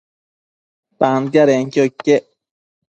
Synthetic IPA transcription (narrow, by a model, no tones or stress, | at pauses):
t̪ant̪̬jaɾeŋkʲokʲːeʔ